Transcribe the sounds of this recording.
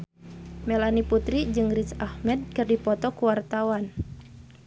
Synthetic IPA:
mɛlaniput̪ɾid͡ʒɨŋrisahmɛd̪̚kɨrdipɔt̪ɔkuwart̪awan

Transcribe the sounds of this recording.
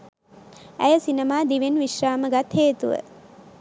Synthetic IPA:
æjəsinemaːd̪iʋenʋiʃraːməɡat̪heːt̪uʋə̰

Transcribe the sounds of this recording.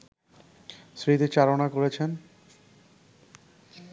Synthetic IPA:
sɾit̪et͡ɕaɾonakoɾet͡ɕʰen

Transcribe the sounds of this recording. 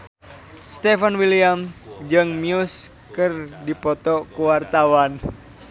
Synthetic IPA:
st̪ɛfanwiliamd͡ʒɨŋmius | kɨrdipɔt̪ɔkuwart̪awan

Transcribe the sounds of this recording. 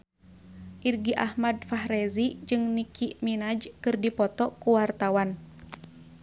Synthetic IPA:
ʔirɡiʔahmadfaɦɾɛzid͡ʒɨŋnikʰiʔminad͡ʒkɨrdipɔt̪ɔkuwart̪awan

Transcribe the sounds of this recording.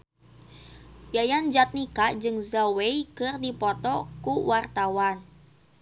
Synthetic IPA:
jajand͡ʒat̪̚nikad͡ʒɨŋzawejkɨrdipɔt̪ɔkuwart̪awan

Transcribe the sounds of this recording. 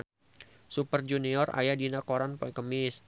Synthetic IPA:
supərd͡ʒuniɔra̰jadinakoɾanpɔikəmɪs

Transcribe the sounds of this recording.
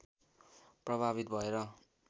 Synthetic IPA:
prʌbʱaβit̪̚bʱʌeɾʌ

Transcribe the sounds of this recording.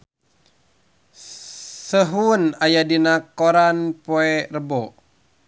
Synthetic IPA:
səɦunajadinakɔɾanpɔɛrəbɔ

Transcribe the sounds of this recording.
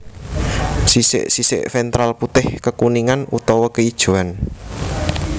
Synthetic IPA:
sisɪ̰ʔsisɪ̰ʔfɛnt̪ɾalput̪ɪhkəkuniŋanut̪ɔwɔkəid̥ʒ̥ṳan

